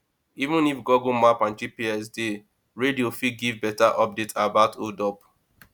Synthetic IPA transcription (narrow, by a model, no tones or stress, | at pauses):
ivũnifɡɔɡõmapãnt͡ʃipiɛs̬de | ɹediofiɡivbɛtaʔɔp̚detabatʰodɔp